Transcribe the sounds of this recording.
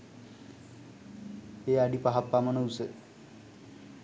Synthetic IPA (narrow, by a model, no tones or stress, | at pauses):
eːaɖipaɦapːamɐnəusə